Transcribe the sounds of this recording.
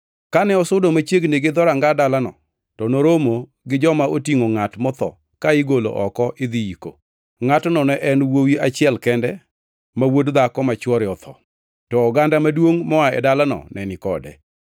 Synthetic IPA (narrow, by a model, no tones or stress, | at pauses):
kanɛɔsʊdomat͡ʃjeɡneɡɪd̪ɔɾaŋɡadalanɔ̰ | tɔnoɾomo | ɡɪd͡ʒɔmaotiŋoŋatmɔt̪ɔ̰ | kaɪɡolo̰ʔɔkɔʔɪd̪iiko̰ | ŋatnɔnɛʔɛnwowiat͡ʃɪɛlkɛndɛ | mawodd̪akɔmat͡ʃwɔɾɪɔt̪ʰɔ̰ | tɔːɡandamadwoŋmɔaɛ̰dalanɔ̰nɛnɪkɔdɛ̰